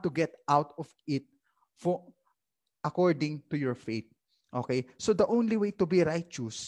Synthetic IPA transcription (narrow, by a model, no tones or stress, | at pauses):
t̪ːuɡɛt̪ʔawt̪ɔvɪt̪̚ | fɔ | ʔɐkɔɹd̪ɪ̃ŋt̪ujɔɹfeɪt̪̚ | ʔokejsod̪ɐʔõwnliwejt̪ubiɹajt͡ʃʊs